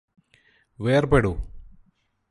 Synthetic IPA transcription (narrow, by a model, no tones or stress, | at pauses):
ʋeːrbeɽu